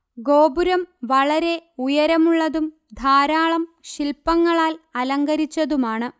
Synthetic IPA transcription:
ɡo̞ːbuɾɐmʋɐɭɐɾe̞ujɐɾɐmuɭːɐðum | d̪ʱaːɾaːɭɐmɕilpːɐŋːɐɭaːlɐlɐŋɡɐɾit͡ɕːɐðumaːɳɨ

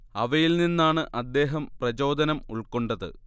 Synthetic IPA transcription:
ɐʋɐjilninːaːɳɨʔɐd̪ːe̞ːɦɐmprɐt͡ɕo̞ːd̪ɐnɐmuɭkoɳɖɐðɨ̰

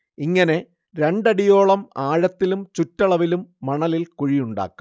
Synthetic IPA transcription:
iŋːɐne̞ | ɾe̞ɳɖɐɽijo̞ːɭɐmaːɻɐt̪ːilumt͡ɕutːɐɭɐʋilumːɐɳɐlilkuɻijuɳɖa̰ːkːu̥m

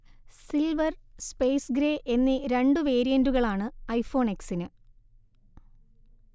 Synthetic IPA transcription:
silʋɐrspe̞ːsɡɾeːʔe̞nːiɾe̞ɳɖɨʋe̞ːɾijɐnduɣɐɭaːɳɨɐjfo̞ːɳeksinɨ

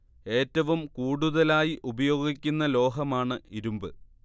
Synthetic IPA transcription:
e̞ːtːɐʋumkuːɽuðɐlaːjiʔubɐjo̞ːɡikʲːunːɐlo̞ːɦɐmaːɳɨiɾumbɨ

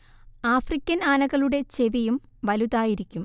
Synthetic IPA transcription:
aːfrikʲːɐnaːnɐɣɐɭuɽe̞t͡ɕe̞ʋijum | ʋɐluðaːjiɾikʲːum

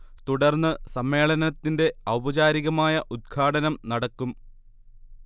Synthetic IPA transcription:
t̪uɽɐrnːɨsɐmːe̞ːɭɐnɐt̪ːinde̞ɐwbɐd͡ʑaːɾiɣɐmaːjɐʔud̪̚ɡʰʱaːɽɐnɐmnɐɽɐkːum

